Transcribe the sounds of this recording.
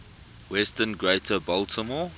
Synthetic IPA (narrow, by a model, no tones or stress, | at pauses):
wɛstənɡɹetʰəbɔltʰəmɔː